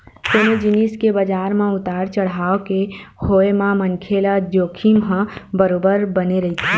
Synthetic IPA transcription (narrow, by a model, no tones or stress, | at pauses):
soːnod͡ʒɪniskebəd͡ʒaːɾmẽʊt̪aːɾt͡ʃəɽ̤aːokehoːemãmənkʰeːlad͡ʒoːkʰimɦə̃bəɾoːbəɾbəneɾɐɦit̪e